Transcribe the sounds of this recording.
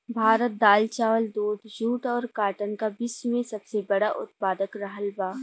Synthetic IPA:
bʱaːɾət̪̚d̪aːlt͡ʃaːʋəld̪oːd̪d͡ʒuːʈɔːɾkaːʈənkabɪsmẽsɐbsebɐɽaʔʊt̪̚paːd̪əkɾɐɦəlbaː

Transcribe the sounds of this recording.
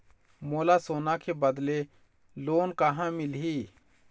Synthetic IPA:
moːlasoːnakʰebəd̪le | loːnkaɦãmɪlɦiː

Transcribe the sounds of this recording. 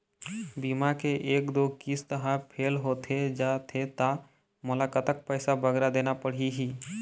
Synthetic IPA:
bimakeʔeːkd̪okist̪əɦãpʰeːlɦoːt̪ʰed͡ʒat̪ʰet̪a | mʊlakət̪ək̚pəɪsabəɡɾad̪eːnapəɽ̤iɦiː

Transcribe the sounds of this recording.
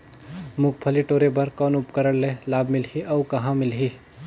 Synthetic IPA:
mʊk̚pʰəliʈoːɾebəɾkɔːnʊpkəɾəɽlẽlaːbmɪlɦiʔɐukɐɦãmɪlɦi

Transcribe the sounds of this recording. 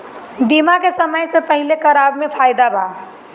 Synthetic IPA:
biːmakesɐməjsepəɦɪlekɐɾaːbmẽpʰaːjd̪abʱaː

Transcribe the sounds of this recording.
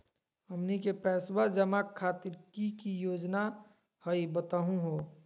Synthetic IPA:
ɦəmnikepɛːswad͡ʒəmakʰːaːt̪ɪɾkikijoːd͡ʒna | həibət̪aːɦũɦoː

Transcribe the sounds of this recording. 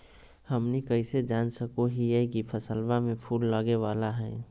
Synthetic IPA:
həmnikəɪsed͡ʒansəkoɦijɛkipʰəsəlbamẽpʰulːəɡeʋalaɦɛː

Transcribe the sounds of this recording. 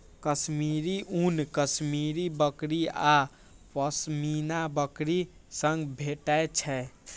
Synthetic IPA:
kəsmiɾiʔunkəsmiɾibəkɾia | pəsminabəkɾisə̃ŋɡbʱeʈɛt͡ʃʰɛ

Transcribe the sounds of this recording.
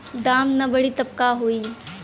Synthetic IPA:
d̪aːmnabɐɽit̪ɐb̚kaɦoːiː

